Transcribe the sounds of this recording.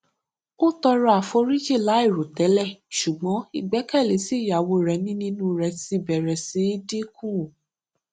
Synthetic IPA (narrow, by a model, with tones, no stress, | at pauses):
o˦tɔ˧ɾɔ˦a˨fo˧ɾi˦d͡ʒi˦˨la˨˦i˦˨ɾo˨tɛ˨˦lɛ˦˨ʃu˨ɡ͡bɔ̃˨˦i˨ɡ͡bɛ˨˦kɛ˦˨le˨˦si˦˨ja˨wo˧˨ɾɛ˧˦nĩ˦nĩ˦nũ˦ɾɛ˧si˧˨bɛ˨ɾɛ˨si˨˧˦i˦di˦kũ˦˨